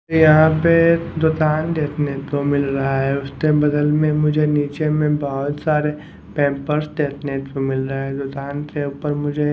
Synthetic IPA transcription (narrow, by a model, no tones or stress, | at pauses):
ojɐɦãped̪oːt̪aːnd̪eːt̪ʰnet̪omɪlɾɐɦaɦɛʊst̪ebɐd̪əlmẽmʊd͡ʒʱeniːt͡ʃemẽbɐɦʊt̪saːɾe | pɛ̃ːmpəɾsd̪eːt̪ʰnet̪omɪlɾɐɦed̪oːt̪aːnkeuːpəɾmʊd͡ʒʱe